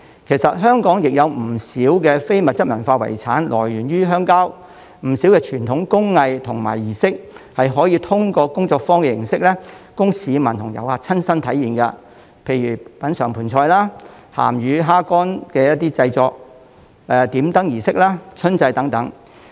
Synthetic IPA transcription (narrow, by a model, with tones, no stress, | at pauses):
kʰe˨˩jsɐ˨t̚ɦœː˥ŋkɔː˨˥ŋjɪ˨k̚jɐ˨˧wm̩˨˩siː˨˥wkɛ˧fe˥jmɐ˨t̚t͡sɐ˥t̚mɐ̰˨˩nfaː˧wɐ̰˨˩jt͡sʰa̰ː˨˥nlʔɔ̰ː˨˩jɥyː˨˩nɥyː˥ɦœː˥ŋkaː˥w | m̩˨˩siː˨˥wkɛː˧t͡ʃʰyː˨˩nt̪ʰʊ˨˥ŋkʊ˥ŋːɐ˧jt̪ʰʊ˨˩ŋma̰ː˨˩jjiː˨˩sɪ˥k̚hɐ˨jɦɔː˨˥jiː˨˧t̪ʰʊ˥ŋkɔː˧kʊ˥ŋt͡sɔː˧k̚fɔː˥ŋkɛ˨˧jɪ˨˩ŋsɪ˥k̚lɛ˥kʊ˥ŋsiː˨˧mɐ˨˩nt̪ʰʊ˨˩ŋjɐ̰˨whaː˧˩t͡sʰɐ˥nsɐ˥nt̪ʰɐ˨˥jiː˨nkɐ˧ | pʰe˧jɥyː˨˩pɐ˨˥nsœː˨˩ŋpʰuː˨˩nt͡ʃʰɔː˧jlaː˥ | ha̰ː˨˩mɥyː˨˧ɦaː˥kɔː˥nkɛː˧jɐ˥t̚t̪iː˥t͡sɐ˧jt͡sɔː˧k̚ | ɛː˨t̪iː˨˥mt̪ɐ˥ŋjiː˨˩sɪ˥k̚laː˥t͡sʰɵ˥nt͡sɐ˧jt̪ɐ˨˥ŋt̪ɐ˨˥ŋ